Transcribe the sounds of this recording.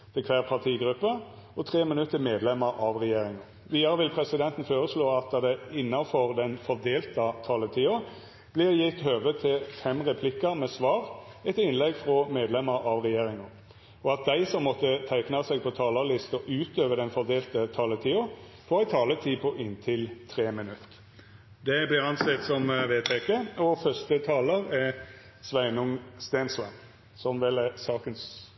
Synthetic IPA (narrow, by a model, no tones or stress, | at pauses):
t̪ʰɛkʰʋæːʁpʰɑʁt̪ʰiːɡɾʉpːə | ɔt̪ʰʁeːmɪnʉt̪ːəmeːd̪lɛmːəɾʔɑʋʁɛjeːɾɪŋɑ | ʋiːd̪ɑəɾəʋɪlpʰʁɛsɪd̪ɛnt̪n̩føːɾəsloːɑt̪̚d̪ɑd̪ɛɪnːɑfɔʁd̪ɛnfɔʁd̪eːlt̪ət̪ʰɑːlət̪ʰiːo | b̥lɪʁjɪt̪ːhøːʋət̪ʰɪlfɛmʁɛpʰlɪkːəɾmɛsʋɑːʁ | ɛt̪ɪnlɛɡfʁɔmeːd̪lɛmːəɾɑʋʁɛjeːɾɪŋɑ | ɔɑt̪̚d̪æɪsɔmːɔt̪ːət̪ʰæɪknɑsɛɡ̚pʰɔt̪ʰɑːləlɪst̪ɔʔʉːt̪øːʋəd̪ɛnfɔd̪eːlt̪ət̪ʰɑːlət̪ʰiːʊ | fɔːʁæɪt̪ʰɑːlət̪ʰiːpʰɔʔɪnt̪ʰɪlt̪ʰʁeːmɪnʉt̪ː | d̪ɛblɪʁɑnsɛt̪sɔmʋeːt̪ʰɛkəɔfœʁst̪ət̪ʰɑːləʁɛ | sʋæɪnʊŋst̪eːnsɛn | sɔmʋɪlɛsɑːkəns